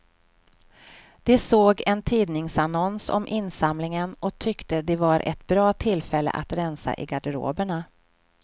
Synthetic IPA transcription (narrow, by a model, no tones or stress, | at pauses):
d̪̥ɛsoːɡɛnt̪ʰiːd̪nɪŋsanɔnsɔ̰mʔɪnːsamlɪŋənʔɔk̚t̪ʰʏkt̪əd̪ɛvaɾʔɛ̰t̪̚bɾɑːt̪ʰɪlfɛlːə̰ʔat̪ɾɛnsa̰ʔɪ̰ɡaɖəɾo̰ːbəɳa